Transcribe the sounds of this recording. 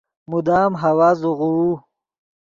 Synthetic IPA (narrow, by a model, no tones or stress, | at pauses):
mud̪aːmɦawazuʁuwu